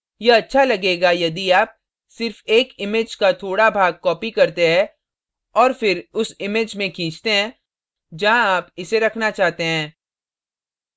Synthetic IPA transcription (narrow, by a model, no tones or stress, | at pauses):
jeɐtːʃʰalɐɡeːɡajɐd̪iaːp̚ | sɪɾfeːkɪmeːd͡ʒkat̪ʰoːɽabʱaːɡ̚kɔːpikɐɾt̪eɦɛ̃ | ɔːɾfɪɾʊsɪmed͡ʒmẽkʰĩːt͡ʃt̪eɦɛ̃ː | d͡ʒɐɦãaːpɪseɾɐkʰnat͡ʃaːɦt̪eɦɛ̃ː